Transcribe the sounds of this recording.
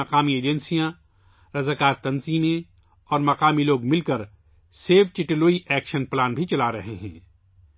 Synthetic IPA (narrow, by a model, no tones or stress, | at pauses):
ɐqaːmieːd͡ʒɛnsijã | ɾɐzaːkaːɾt̪ɐnziːmẽ | ɔːɾmɐqaːmiloːɡmɪlkɐɾ | seːfʰt͡ʃɪʈloːiʔɛːkʃənplaːnbʱit͡ʃɐlaɾɐɦeɦɛ̰̃ː